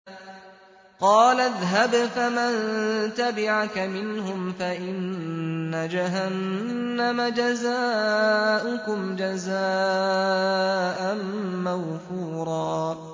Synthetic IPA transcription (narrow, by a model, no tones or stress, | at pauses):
qɑːlaðɦabfamant̪abɪʕakamɪnhʊmfaʔɪnː | ad͡ʒaɦanːamad͡ʒazaːʔʊkʊmd͡ʒazaː | ʔanmaɣfuːɾˤɑː